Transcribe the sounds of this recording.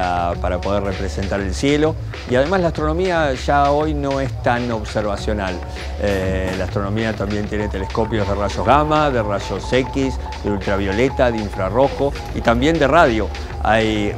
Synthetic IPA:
apaɾapo̞ð̞errepɾese̞nt̪aɾelsje̞lo̞ | iaðe̞maslaht̪ɾono̞miaʒaojnõ̞est̪anoβseɾβ̞asjo̞nal | elaːst̪ɾo̞nõ̞miat̪ambje̞nt̪je̞ne̞t̪e̞lesko̞pjo̞zðeraʃo̞ɦɣamaðe̞raʒo̞sekis | ðeult̪ɾaβjo̞let̪aðeiɱfɾaro̞xo̞ | ḭt̪ambje̞nd̪e̞raðjo̞ | a̰j

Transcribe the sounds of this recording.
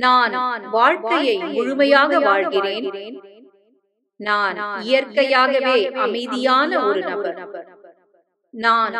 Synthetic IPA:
naːnʋaːɻkɐjɐɪmʊɻʊmɐjaːɣɐʋaːɻɣɪreːn | naːnɪjɐrkɐjaːɣɐʋeːʔɐmɐɪðɪjaːnɐɔɾɯnɐbɐɾ | naːn

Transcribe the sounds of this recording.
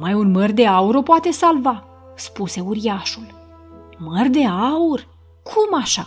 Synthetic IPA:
majunmərd̪e̞auɾo̞poat̪e̞salva | spuse̞uɾiaʃul | mərd̪e̞aur | kʰumaʃa

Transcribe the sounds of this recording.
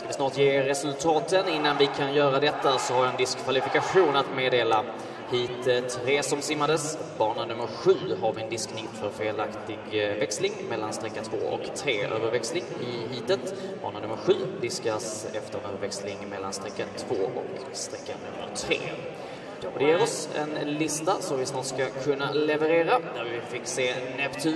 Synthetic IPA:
skavɪsnɑːʈjeːɾɛsɵlt̪ʰɑːt̪ənɪnːanvɪkʰanjœːɾad̪ɛt̪ːasɔhaɾjaɛnd̪ɪskʰːvalɪfɪkaɧuːnat̪meːd̪eːla | hiːt̪ət̪ʰɾeːsɔmsɪmːad̪əsbɑːɳənɵmːəɾɧʉ̟ːɦaɾvɪɛnd̪ɪsknɪt̪fœɾfeːlakt̪ɪɡvɛkslɪŋmɛlːanst̪ɾɛkːant̪ʰv̥o̰ːɔ̰kt̪ʰɾeːʔø̰ːvəɾvɛkslɪŋɪɦiːt̪ət̪bɑ̰ːɳənɵmːəɾɧʉ̟ːd̪ɪskasɛft̪əɾnøːvəɾvɛkslɪŋmɛlːanst̪ɾɛkːənt̪ʰv̥oːʔɔ̰k | st̪ɾɛkːa̰nːɵmːə̰ɾʈ̪ʰɾḛː | ɔd̪ɛjeːɾɔsɛ̰nlɪst̪asɔmvɪsnɑːt̪skakʰɵnːalɛvəɾeːɾad̪æɾvɪfɪkːseːnɛpt̪ʰʉ

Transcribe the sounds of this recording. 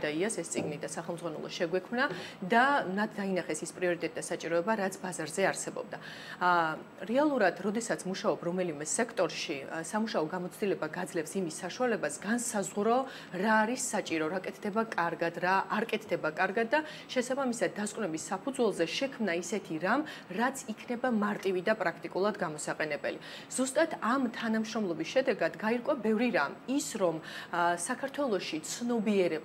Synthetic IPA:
d̪aiasɛst̪sʼiɡnid̪asaχɛlmd̪zʁanɛ̰lˠɔ̰ʃɛɡwɛkʰmnad̪anat̪d̪ainaχɛsispʼɾiɔɾit̪ʼɛt̪ʼd̪asat͡ʃʼiɾɔɛbaɾat̪sʰbazaɾzɛaɾsɛbɔ̰b̚d̪a | ɾɛalˠuɾad̪ɾɔd̪ɛsat̪sʰmuʃaɔbɾɔmɛlimɛsɛkʰt̪ʼɔɾʃisamuʃaɔɡamɔt̪sʰd̪ilɛbaɡad̪zlɛfsimisːaʃualɛbasɡansazʁɾɔ | ɾaːɾisːat͡ʃʼiɾɔɾakʼɛt̪ʰd̪ɛbakʼaɾɡad̪ɾaːɾkʼɛt̪ʰd̪ɛbakʼaɾɡad̪̚d̪ːa | ʃɛsabamisad̪̚ːaskʼwnɛbisːapʰud̪zwɛlˠzɛʃɛkʰmnaisɛt̪ʰiɾamɾat̪sʰikʰnɛbamaɾt̪ʼivid̪apʼɾakʰt̪ʼikʼulˠad̪ɡamɔsaqʼɛnɛbɛ̰liz̥ust̪ʼat̪ʰamt̪ʰanamʃɾɔmlˠɔbisʃɛd̪ɛɡad̪ɡaiɾkʼwabɛvɾiɾamisɾɔmsakʰaɾt̪ʰwɛlˠɔʃit̪sʰnɔbiɛɾɛ

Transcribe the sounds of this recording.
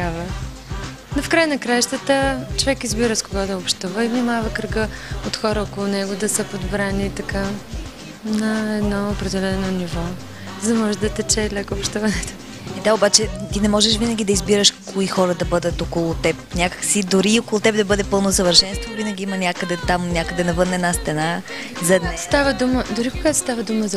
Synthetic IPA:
avə | nofkɾajənɐkɾajʃt̪ət̪ət͡ʃovɛkizbiɾəskoɡad̪ɐopʃt̪uvəivnimavɐkɾəɡəot̪xɔɾəɔkolˠʊnɛɡʊd̪ɐsəpod̪bɾanit̪ɐka | nɐɛd̪nɔʊpɾɛd̪ɛlɛnonivɔ | zɐmɔʒɛd̪ɐt̪ɛt͡ʃɛlʲəkopʃt̪uvɐnɛt̪o̥ | ɛd̪aobat͡ʃɛt̪inɛmɔʒɛʃvinəɡʲid̪ɐizbiɾəʃkoixɔɾəd̪ɐbɤd̪ət̪okolˠʊt̪ɛp̚nʲakə̥ksid̪ʊɾiokolˠʊt̪ɛbd̪ɐbɤd̪ɛpɤlˠnosəvəɾʃɛnst̪vovinəɡʲiimənʲakəd̪ɛt̪amnʲakəd̪ɛnɐvɤnːɛːd̪nast̪ɛna | zɐɛd̪nst̪avəd̪uməd̪ʊɾikoɡat̪o̥st̪avəd̪uməzɐ

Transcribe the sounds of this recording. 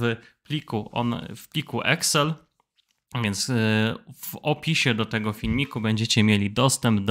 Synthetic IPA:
plʲikuɔ̰fpʲlʲikuʔɛksɛl | vʲjɛnt̪s | vɔpʲiɕɛd̪ɔt̪ɛɡɔfʲilmʲikubɛɲd͡ʑɛt͡ɕɛmʲjelʲid̪ɔst̪ɛmbd̪

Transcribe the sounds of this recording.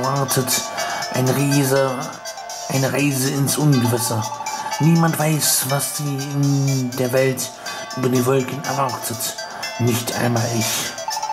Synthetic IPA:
vaʁtʰətʔa̰ɪnəʁaɪzə | ʔaɪnəʁaɪzəɪnsʔʊnɡəvɪsəniːmantv̥aɪsvasd̥iːɪndeːɐvɛlt | ʔyːbɐdeːnvɔlkən̩ɛ̰ɐvaʁtʰət | nɪçtʔa̰ɪnmaːlɪç

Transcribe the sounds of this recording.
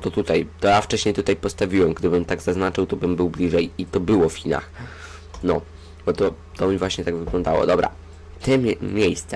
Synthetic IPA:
t̪ɔt̪ut̪ajt̪ɔjaft͡ʂɛɕɲejt̪ut̪ajpɔst̪avʲiwɛmɡd̪ɘbɘmt̪aɡzaznat͡ʂɘwt̪ɔbɘmbɘwblʲiʐɛjit̪ɔbɘwɔfxʲina̰x | nɔ | bɔt̪ɔ | t̪ɔmʲivwaɕɲɛt̪aɡvɘɡlɔ̃nd̪awɔ̰d̪ɔbɾa̰ | t̪ɛmʲmʲjejst̪sɛ

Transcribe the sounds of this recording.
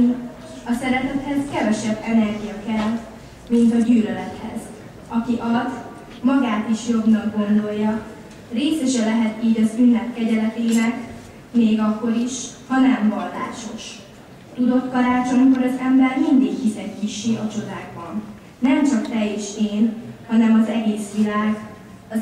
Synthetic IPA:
ɒsɛɾɛt̪ɛt̪hɛzkɛvɛʃɛbːɛnɛrɡijɒkɛl | mint̪ɒɟyːlølɛt̪hɛ̰z | ɒkiʔɒlɒt̪ | mɒɡaːt̪iʃjo̞bnɒɡɡo̞nd̪o̞jːɒ | reːsɛʃɛlɛɦɛt̪iːɟɒzynːɛt̪kɛɟɛlɛt̪eːnɛk | meːɡɒkːo̞ɾiʃhɒnɛɱvɒlːa̰ːʃo̞ʃ | t̪ud̪o̞t̪kɒɾaːt͡ʃo̞ŋkoɾɒzɛmbɛrmind̪ikhisɛkkiʃiɒt͡ʃo̞d̪aːɡ̚bɒnː | ɛmt͡ʃɒkt̪ɛeːʃeːnhɒnɛmɒzɛɡeːsʋilaːɡ | ɒ

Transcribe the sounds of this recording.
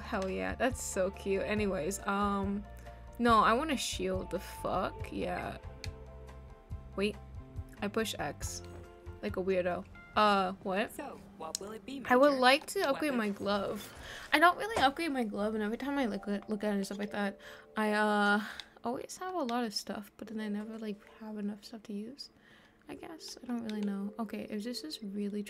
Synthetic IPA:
hoʊjæ̰ðætsoʊkʰj̥ʉɛniweɪzʌ̃m | noʊaɪwɑ̃nɨʃilˠd̪̚ðəfʌ̰kjæ̰ | weɪt̚aɪpʰʊʃɛ̰ks | laɪkəwɪɹɾoʊ | ʔʌwʌt̚ | aɪwədˡlaɪk̚tʰɨʌp̚ɡ̥ɹeɪd̚maɪɡlʌv̥ʔaɪɾõʊ̃nʔ̚ɹɪlˠiʌp̚ɡ̥ɹeɪd̚maɪɡlʌvɨ̃nɛvɹitʰãɪ̃maɪlaɪkɨtˡlʊkɨɾɨ̃nɨstʌflaɪk̚ðæt̚ʔaɪʌɔlˠwḭz̥əvəlɔɾʌv̥stʌ̰fb̥ʌt̪̚ðɨ̃naɪnɛvə˞laɪkhəvɨnʌfstʌftʰɨjʉz̥ | aɪɡɛsaɪdõʊ̃nʔ̚ɹɪlˠinoʊoʊkʰeɪʔɨfðɪsɨzɹɪlˠi

